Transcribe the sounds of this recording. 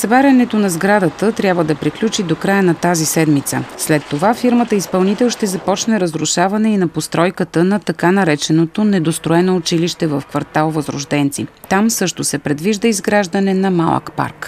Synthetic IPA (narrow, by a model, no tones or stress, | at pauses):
sɐbaɾʲɐnɛt̪onɐzɡɾad̪ət̪ət̪ɾʲjabvəd̪ɐpɾiklʲut͡ʃid̪okɾajənɐt̪azisɛd̪mit̪sə̰slɛt̪ːovafiɾmət̪əispɐlˠnit̪ɛlˠʃt̪ɛzɐpɔt͡ʃnɛɾəzɾuʃavɐnɛinɐpost̪ɾɔjkət̪ənɐt̪ɐkanɐɾɛt͡ʃɛnot̪onɛd̪ost̪ɾoɛnoːt͡ʃiliʃt̪ɛvəfkvɐɾt̪alˠvəzɾʊ̰ʒd̪ɛnt̪sḭt̪amsɤʃt̪osɛpɾɛd̪viʒd̪əizɡɾaʒd̪ɐnɛnɐma̰lˠə̰kpa̰ɾk